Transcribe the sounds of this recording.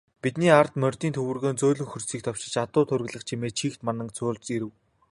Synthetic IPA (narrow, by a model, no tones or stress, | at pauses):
pit̪niːart̪mœrʲt̪iːnt̪ʰɵwɘ̆rɣoːnt͡soːɮɵ̆ŋxɵrsiːk̚t̪ʰɔw̥t͡ɕɪ̆t͡ɕat̪ʊːt̪ʰʊɾ̆ɣɮə̆χt͡ɕʰimeːt͡ɕʰiːxt̪manə̆ŋt͡sʰʊːɮt͡siɾɘ̆w